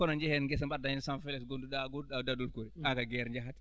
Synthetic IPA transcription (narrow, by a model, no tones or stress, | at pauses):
kɔnaɲd͡ʒɛhɛnɡɛs̬ambadaɲinsãnfeliksɡondudaɡuadadulkoɾiakaɡɛɾɲd͡ʒaɦat